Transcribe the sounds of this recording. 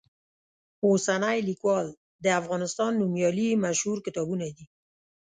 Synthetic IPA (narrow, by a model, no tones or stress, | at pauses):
osanajlikwɑl | d̪əafɣɑnɪst̪ɑnːumjɑlimaʃhuɾkɪt̪ɑbunad̪i